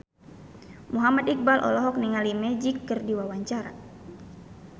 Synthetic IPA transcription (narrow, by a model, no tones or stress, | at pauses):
muɦamat̪ik̚balʔɔ̰lɔɦɔk̚niŋalimɛd͡ʒikːɨrdiwawaɲt͡ʃaɾa̰